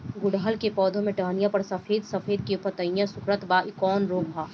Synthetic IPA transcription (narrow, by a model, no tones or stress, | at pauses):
ɡʊɽaəlkepɔːd̪ʱõmẽʈaːnijãpɐɾsɐfʰeːd̪sɐfeːd̪̚kepɐt̪əɪjãsʊkɾət̪baːʔɪkɔːnɾoːɡbʱaː